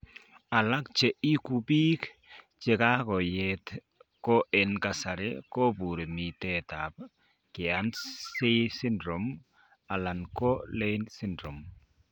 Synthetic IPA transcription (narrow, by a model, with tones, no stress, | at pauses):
a˨la˦kt͡ʃɛ˨i˦ku˨biː˦k | t͡ʃe˨ka˦kɔ˨jɛt | kɔ˦ʔɛ˨nka˨sa˨ɾɪ̰˦kɔ˦bu˨ɾi˨mi˨tɛ˦ta˨b̚ | kɪ˨a˦nse˦si˦ndɾɔ˨m | a˨la˨nkɔ˦le˦nsi˦ndɾɔ˨m